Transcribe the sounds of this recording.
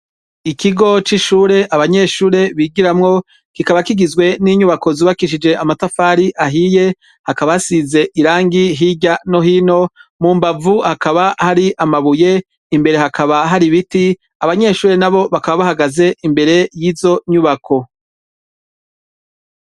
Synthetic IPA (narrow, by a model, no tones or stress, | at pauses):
ikiɡo̞t͡ʃiʃuːɾe̞ʔaβaɲe̞ʃuːɾe̞βiɡiɾamŋo̞ | kikaβakiɡizɡwe̞niɲuβako̞ziβakiʃid͡ʒe̞ʔamatafaːɾiʔaɦije̞ | hakaβasize̞ʔiɾaːŋɡiɦiɟano̞hiːno̞muːmbavuhakaβahaɾiʔamaβuje̞ | imbe̞ɾe̞ɦakʰaβaɦaɾiβiti | aβaɲe̞ʃuːɾe̞naβo̞βakaβaβahaɡaze̞imbe̞ɾe̞jiːzo̞ɲuβakʰo̞